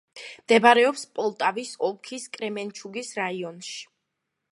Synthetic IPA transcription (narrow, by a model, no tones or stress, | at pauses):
md̪̥ɛbaɾɛɔpspʼɔlˠt̪ʼavisɔlˠkʰiskʼɾɛmɛnt͡ʃʰuɡisɾaiɔnʃi̥